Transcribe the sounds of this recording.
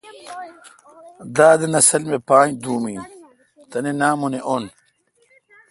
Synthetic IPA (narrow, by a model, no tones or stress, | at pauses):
d̪aːd̪ɐnɐsɐlmepaːɲd̪uːmiː | t̪ɐnenaːmoneʔon